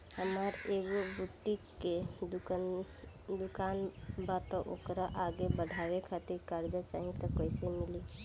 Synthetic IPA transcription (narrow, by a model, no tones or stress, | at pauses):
həməɾeɡobut̪ːikːed̪u | d̪ukanbat̪ɔ̃ʔo̰kɾaʔaɡebəɽ̤ʱabekʰat̪iɾkaɾd͡ʒat͡ʃaɦĩt̪ɔkəɪsemili